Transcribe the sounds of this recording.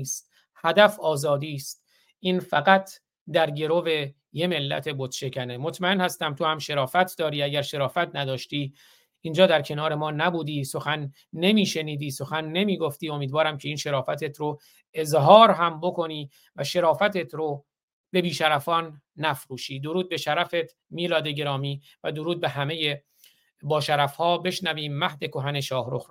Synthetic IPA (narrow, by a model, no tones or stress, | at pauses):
st̪̚ | hæd̪æfɒːzɒːd̪iːst̪̚ | iːnfæɡæt̪ʰ | d̪æɾɟe̞ɾove̞ | je̞me̞lːæ̰t̪ʰe̞bot̪ʃe̞cʰænemot̪ʰmæe̞nhæst̪æmt̪ʰo̞hæmʃe̞ɾɒːfæt̪ʰd̪ɒːɾiːæɟæɾʃe̞ɾɒːfæt̪ʰnæd̪ɒːʃt̪iː | ind͡ʒɒːd̪æɾcʰe̞nɒːɾe̞mɒːnæbuːd̪iːso̞xænː | e̞miːʃe̞niːd̪iːso̞xænːe̞miːɡoft̪iːo̞miːd̪vɒːɾæmcʰe̞iːnʃe̞ɾɒːfæt̪ʰet̪ʰɾo | e̞zɦɒːɾɦæmbo̞kʰo̞niː | væʃe̞ɾɒːfæt̪et̪ʰɾo | be̞biːʃæɾæfɒːnː | æfɾuːʃiːd̪o̞ɾuːd̪̚be̞ʃæɾæfet̪ | miːlɒːd̪eɟe̞ɾɒːmiː | væd̪o̞ɾuːd̪̚be̞ɦæme̞je | bɒːʃæɾæfhɒːbe̞ʃnæviːmːæhd̪e̞ko̞ɦæne̞ʃɒːhɾox